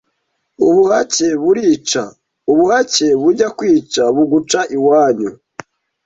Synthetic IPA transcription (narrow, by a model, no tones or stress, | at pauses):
uβuhaceβuɾiːt͡ʃa̰ | uβuhace̞βuɟakwiːt͡ʃaβuɡut͡ʃaʔiwaːɲu